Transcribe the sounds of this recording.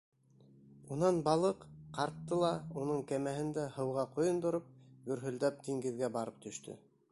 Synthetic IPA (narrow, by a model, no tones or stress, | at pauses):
unɑnbɑlˠɤqqɑɾt̪ːɤlˠɑunɤɴkæmæɦɘ̆nd̪æhɤ̆wʁɑqŏjŏnd̪ŏɾɤp̚ɡɵ̆ɾɦɵ̆ld̪æp̚d̪iŋɡɘ̆ðɡæbɑɾɤp̚t̪ɵ̆ʃt̪ʰɵ̰